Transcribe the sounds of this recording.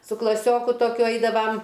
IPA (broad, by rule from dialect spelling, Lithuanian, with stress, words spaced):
sʊ klˠɐˈsʲoːkʊ toːˈkʲʊ ˈɐɪdɐʋɐm